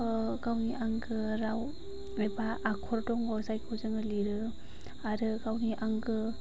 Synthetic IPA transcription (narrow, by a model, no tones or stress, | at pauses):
ɡawniʔaŋɡɯɾaw | ebaʔːkʰɔɾdɔŋɡɔsajkʰɯwzɯŋɡɯliɾɯ | aɾɯɡawniʔaŋɡɯ